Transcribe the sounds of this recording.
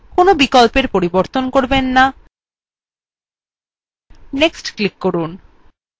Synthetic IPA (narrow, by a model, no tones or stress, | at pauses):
konobikɔlpeɾpoɾiboɾt̪onkoɾbenːa | neksʈklikːoɾun